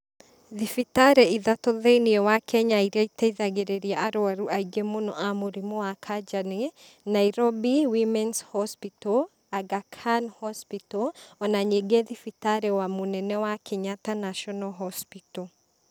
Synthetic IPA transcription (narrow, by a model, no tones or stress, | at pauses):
ðifitaɾɛiðatɔðeiniɔwakʰɛɲaiɾaitɛiðaɡeɾeɾiaʔaɾoaɾuʔaiɡemonɔʔamoɾimɔwakʰad͡ʒane | naiɾɔbiwimɛnshɔspitɔ | aɡakʰanhɔspitɔɔnaɲeɡɛðifitaɾɛwamonɛnɛwakʰɛɲatanaʃɔnɔɦɔspitɔ